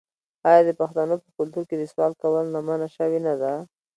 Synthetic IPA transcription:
ɑjɑd̪əpaxt̪anopəkʊlt̪uɾked̪əswɑl̚kawəlnamanaʃəwenad̪a

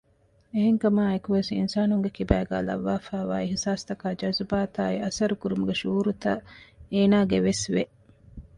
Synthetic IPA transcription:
eɦeŋkɐmaːekuʋesḭnsaːnuŋɡekibæːɡæ̰ːlɐ̰ʋːaːfæːʋa̰ːiɦisaːst̪ɐkaːd͡ʒɐzɐbaːt̪aːiɐsɐɾukuɾumuɡeʃuːɾut̪ɐeːnaːɡeʋesʋe

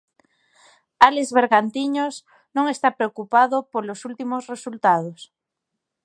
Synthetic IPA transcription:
alezβ̞eɾɣant̪iɲos | nõŋest̪apɾeokupaðopolosult̪imosresult̪að̞os

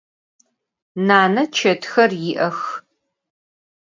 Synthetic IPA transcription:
naːnɐt͡ʃʰɐtxɐrjɪʔɐx

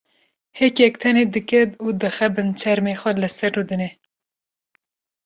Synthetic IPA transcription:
hɛkɛk̚t̪ʰɛneːd̪ɨkɛt̪uːd̪ɨxɛbɨnt͡ʃʰɛɾmeːxʷɛlɨsɛɾːud̪ɨne

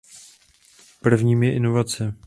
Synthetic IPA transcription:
pr̩vɲiːmjɛʔɪnovat͡sɛ

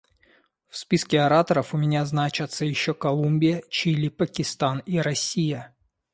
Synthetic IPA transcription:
fspʲiskʲɪɐɾat̪əɾəfʊmʲɪnʲaznat͡ɕɪt̪səjɪɕːokɐlˠumʲbʲɪjət͡ɕilʲipəkʲɪst̪aniɾɐsʲijə

